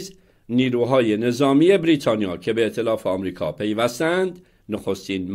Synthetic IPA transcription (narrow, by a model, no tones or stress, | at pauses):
z | niːɾuːɦɒːje̞ne̞zɒːmiːe̞bɾiːt̪ʰɒːnijɒːcʰe̞be̞t̪ʰe̞lɒːfeɒːmɾiːkʰɒ̰ːpʰe̞jvæst̪ænd̪ | noxo̞st̪iːnm